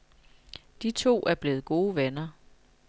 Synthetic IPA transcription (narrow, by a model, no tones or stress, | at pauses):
d̥it͡sʰo̝̰ːʔæɐb̥le̝ːð̞̩ˠɡ̥o̝ːʋenɐ